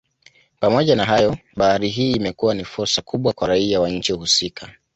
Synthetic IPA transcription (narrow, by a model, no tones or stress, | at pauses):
pamɔʄanaɦajɔɓahaɾiɦiːmɛkuwanifuɾsakʰuɓwakwaɾaiawaɲ̩t͡ʃiuhusikʰa